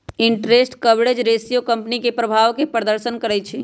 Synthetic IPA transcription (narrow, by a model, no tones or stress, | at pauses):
ɪɳʈɾesʈkəbɽed͡ʒɾeːsijokɐ̃mpnikepɾəbʱaːʋkepɾəd̪əɾʃənkəɾɛt͡ʃʰi